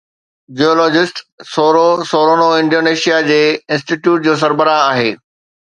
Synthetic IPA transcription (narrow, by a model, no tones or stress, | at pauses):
d͡ʑiɔːlɔːd͡ʑɪsʈsoːɾosoːɾoːnoɪ̃ɳɖoːneːʃijad͡ʑeːɪ̃nsʈiʈjuːʈ̚d͡ʑoːs̬ɐɾbəɾaaːɦeː